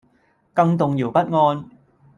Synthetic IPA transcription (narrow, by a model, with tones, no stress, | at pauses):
kɐ˧ŋt̪ʊ˨ŋjiː˨˩wpɐ˥t̚ŋɔː˧n